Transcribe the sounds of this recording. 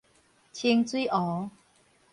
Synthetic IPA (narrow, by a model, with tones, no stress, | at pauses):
t͡ɕʰi˧ŋt͡swi˦ʔɔ˨˦